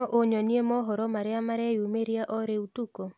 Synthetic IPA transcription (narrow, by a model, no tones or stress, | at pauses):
ɔʔoɲɔniemɔɦɔɾɔmaɾɪamaɾɛjumeɾiaʔɔɾeutuko